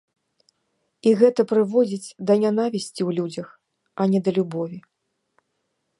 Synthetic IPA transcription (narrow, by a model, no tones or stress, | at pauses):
iɣɛt̪ɐpɾɨvɔd͡zʲit͡sʲd̪ɐnʲanavʲisʲt͡sʲiwlʲud͡zʲɐx | ɐnʲɛd̪ɐlʲubɔvʲi